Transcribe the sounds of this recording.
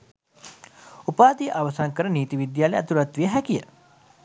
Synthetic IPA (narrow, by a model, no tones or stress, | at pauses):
upaːd̪ijəʔaʋɐsaŋkəɾəniːt̪iʋid̪jaːleæt̪uɾɐt̪ʋijəɦækijə